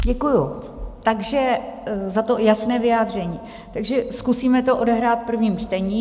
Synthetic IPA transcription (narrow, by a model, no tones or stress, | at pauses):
ɟɛkuju | t̪aɡʒɛzat̪o̞jasnɛːvɪjaːd̪r̝ɛɲiː | t̪aɡʒɛskusiːmɛt̪oʔo̞dɛɦɾaːt̪̚pr̩vɲiːmt͡ʃt̪ɛɲiː